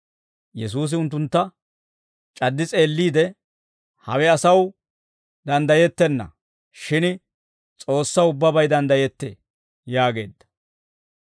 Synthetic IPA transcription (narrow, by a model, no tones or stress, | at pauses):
jɛs̬uːs̬ɪʊnt̪ːʊnt̪ːɐ | t͡ʃʼɐd̪ːɪt͡sʼe̞ːlːiːd̪ɛ | hɐ̰wɛɐsɐw | d̪ɐnd̪ɐjɛt̪ːɛnːɐ̰ | ʃɪn | t͡sʼo̞ːsːɐʊbːɐbɐjd̪ɐnd̪ɐjɛt̪ːḛː | jaːɡe̞ːd̪ːɐ̥